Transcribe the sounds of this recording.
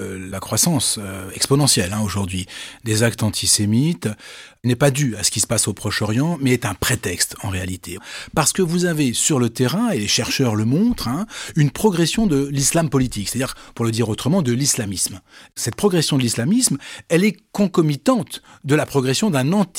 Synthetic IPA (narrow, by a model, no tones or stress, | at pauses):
lakχwasɑ̃søɛkspɔnɑ̃sjɛlɛ̃oʒuʁd̪ɥid̪ezakt̪ɑ̃t̪ʰisemit̪nɛpad̪yasə̥kʲisə̥pasopχɔʃɔʁjɑ̃mɛːt̪ɛ̃pχet̪ɛkst̪ɑ̰̃ʁealit̪ʰepaʁsə̥kəvuzavesyʁlət̪eʁɛ̃eleʃɛʁʃœʁləmɔ̃t̪χɛ̃ynpχɔɡʁɛsjɔ̃d̪əlislampɔlit̪ikse̥t̪ad̪iʁpuʁləd̪iʁot̪χəmɑ̃d̪əlislamismsɛt̪̚pχɔɡʁɛsjɔ̃d̪əlislamismɛlɛkɔ̃kɔmit̪ɑ̃t̪d̪əlapχɔɡʁɛsjɔ̃d̪ɛ̃nɑ̃t̪